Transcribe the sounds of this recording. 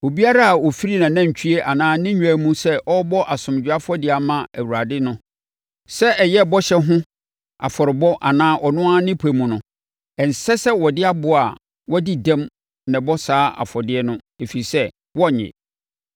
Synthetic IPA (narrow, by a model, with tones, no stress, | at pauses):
o˨bi˦a˦ɾa˦˨wɔ˨fi˦ɾi˦nã˨nã˦˨ɲ˨t͡ɕᶣʰi˦e˦ʔa˨nãː˦nɪ̃˦ɲᶣ˨˦æ˦mũ˦sɛ˦ʔɔ˦bɔ˦ʔa˨sʊ̃˨m˨d͡ʑᶣa˦fɔ˦dɪ˨a˨mã˦æ˨wu˨ɾa˨dɪ˦nʊ̃˦ | sɛ˦ɛ˨jɛ˦˨bɔ˦ɕɛ˦ɦʊ̃˦ | a̰˨fɔ˨ɾɪ˨bɔ˦ʔa˨nãː˦ʔɔ˨nʊ̃˦a˦nɪ̃˦pʰæ˨mũ˨nʊ̃˨˦ | ɛ˨n̩˨sɛ˦sɛ˦wɔ˨dɪ˦a˦bʊ˨a˨ | wɔ˦di˦dã˦m | nã˨bɔ˦saː˦ʔa̰˨fɔ˨dɪ˦ɛ˦nʊ̃˦ | e˨fi˨ɾi˨sɛ˦ | wɔ˦˨ɲɪ̰˨